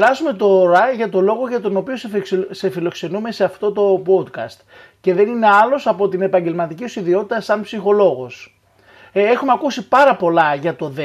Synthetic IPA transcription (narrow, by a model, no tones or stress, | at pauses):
ɾɐsume̞t̪o̞ɾɐʝɐt̪o̞lo̞ɣo̞ʝɐt̪o̞no̞pio̞sse̞filo̞kse̞nume̞se̞ɐft̪o̞t̪o̞po̞d̪kɐ̰st̪ | ce̞ðe̞nine̞ɐlo̞sɐpo̞t̪ine̞pɐɲɟe̞lmɐt̪iciosiðio̞t̪it̪ɐsɐnpsixo̞lo̞ɣo̞s | exumeɐkusipɐɾɐpo̞lɐʝɐt̪o̞ðe